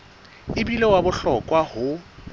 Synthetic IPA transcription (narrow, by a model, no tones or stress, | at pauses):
ɪbilewabʊɬɔkʼwahʊ